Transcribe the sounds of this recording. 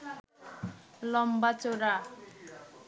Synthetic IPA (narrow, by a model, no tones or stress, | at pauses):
lɔmbat͡soɾa